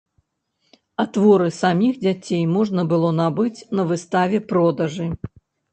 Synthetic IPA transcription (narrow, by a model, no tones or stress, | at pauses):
at̪vɔɾɨsamʲixd͡zʲat͡sʲejmɔʐnɐbɨlˠɔnabɨt͡sʲnɐvɨst̪avʲɛpɾɔd̪ɐʐɨ